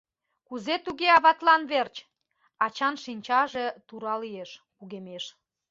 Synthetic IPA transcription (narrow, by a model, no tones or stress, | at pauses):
kuzet̪uɣeɑβɑt̪lɑnβert͡ɕ | ɑt͡ɕɑnʃinʲt͡ɕɑʒet̪uɾɑlieʃkuɣemeʃ